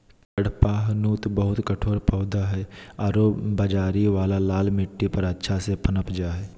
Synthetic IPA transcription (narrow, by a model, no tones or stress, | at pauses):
t͡ʃəɽpaːɦnuːt̪bəɦʊt̪kəʈʰoːɾpəːd̪aɦɛːaːɾoːbəd͡ʒaːɾiʋaːlalaːlmɪʈːipɐɾətːʃʰasepənəpd͡ʒaːɦɛː